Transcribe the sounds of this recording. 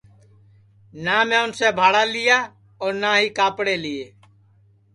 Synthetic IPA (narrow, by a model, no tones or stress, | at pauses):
naːmẽːʊnsebʱaːɽalɪjaː | ɔːɾnaːɦikaːpɽeːlieː